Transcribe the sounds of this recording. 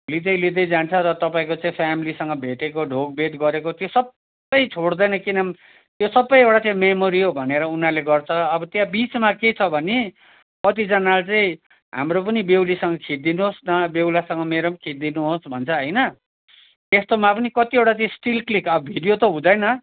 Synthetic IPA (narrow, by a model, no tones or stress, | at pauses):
lid̪ʌjlid̪ʌjd͡zant͡sʰʌɾʌt̪ʌpaĩkot͡saĩpʰjamilisʌŋɡʌbʱeʈekoɖʱoɡ̚bed̪ɡʌɾekot̪josʌbː | ʌjt͡sʰoɽd̪ʌjnʌkinʌm | t̪josʌbːʌjewʈat͡sãĩmemoɾiobʱʌneɾʌunaleɡʌrt͡sʰʌʌbʌt̪jãbit͡smaket͡sʰʌbʱʌne | kʌt̪id͡zʌnalt͡saĩ | ɦa̰mrop̬ʌnibewlisʌŋɡʌkʰit̪̚d̪inuɦosnʌbewlasʌŋɡʌmeɾʌmkʰit̪̚d̪inuɦosbʱʌnt͡sʰʌɦʌjnʌ | t̪est̪omapʌnikʌt̪ieʈat͡saĩsʈilklikʌbʌbʱiɖijot̪ʌɦũd̪ʌjnʌ